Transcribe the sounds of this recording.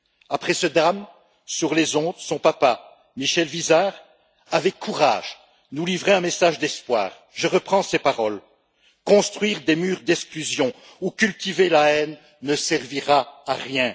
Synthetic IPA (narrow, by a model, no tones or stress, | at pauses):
apχɛsəd̪ʁam | syʁlezɔ̃d̪sɔ̃papa | miʃɛlvizaːʁ | avɛkʰːuʁa̰ːʒ̥ | nulivʁeɛ̃mesaʒd̪ɛspwa̰ːʁ | ʒəʁəpχɑ̃sepaʁɔl | kɔ̃st̪χɥiʁd̪emyːʁd̪ɛksklyzjɔ̃ | ukʲylt̪ivelaɛnː | əsɛʁviʁaːʁjɛ̃